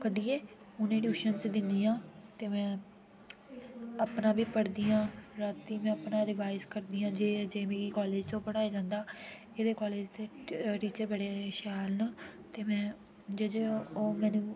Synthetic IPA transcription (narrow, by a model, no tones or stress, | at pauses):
kəɖiːeː | ʊnẽːɖjuːʃənt͡ʃd̪ɪnd̪iːãːt̪eːmɛ̃ː | əpnaːbiːpəɽd̪iːjãːɾaːt̪ːiːmɛ̃ːəpnaːɾɪʋaːɪzkəɾd̪iːãːd͡ʒeːd͡ʒeːmeːɡiːkɔːleːd͡ʒt͡ʃõːpəɽaːeːd͡ʒãːnd̪aː | eːd̪eːkɔːleːd͡ʒt̪eːʈiːt͡ʃəɾbəɽeːʃaːlnat̪eːmɛ̃ː | d͡ʒed͡ʒeːoːmɛ̃ːnũː